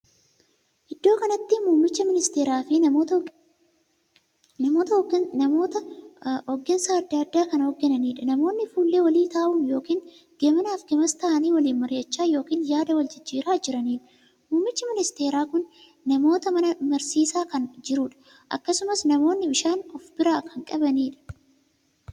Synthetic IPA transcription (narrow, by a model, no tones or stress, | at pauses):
ʔɪd̪ːo̞ːkɐnɐt̪ːɪmuːmːɪt͡ʃːɐmɪnɪst̪eːɾaːfɪ | nɐmoːt̪ɐoːt̪ɐɔɡːɛnsaːɐd̪ːɐɐd̪ːaːkɐnɐhɔɡːɛnɐniːᶑɐnɐmo̞ːnːɪfuːlːe̞ːwɐliːt̪aːʔuːmjo̞ːkiːn | ɡ̥ɛmɐnaːfɡɛmɐst̪ɐːʔɐniːwɐliːnmɐɾjɐt͡ʃːaːjo̞ːkiːnjaːd̪ɐwɐld͡ʒɪd͡ʒːiːɾaːd͡ʒɪɾɐniːᶑɐ | muːmːɪt͡ʃːɪmɪnɪst̪e̞ːɾaːkʊnː | ɐmo̞ːt̪ɐmɐnɐmɐɾsiːsaːkɐnd͡ʒɪɾuːᶑɐ̥ | ʔɐ̰kːɐsʊmɐsnɐmo̞ːnːɪbɪʃaːnɔfbɪɾaːkɐŋkʼɐbɐniːᶑɐ̥